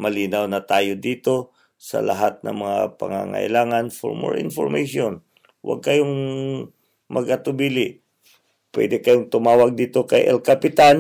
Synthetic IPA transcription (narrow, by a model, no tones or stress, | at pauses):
mɐliːnawnɐt̪aːjod̪iːt̪o̞ | sɐ̰lɐ̰ɦat̪̚nɐ̰ŋmɐŋapɐ̰ŋa̰ŋa̰ʔɪ̰laːŋanfo̰ɹmo̰ɹɪ̰nfoɹmajʃon | wʔa̰ɡ̚kɐjoŋ | mʔɐɡɐt̪ʊbiːlɪʔ | pwɛ̰d̪ɛkɐjoŋt̪ʊmaːwaɡ̚d̪iːt̪o̞kɐjʔɛ̰lkapɪt̪an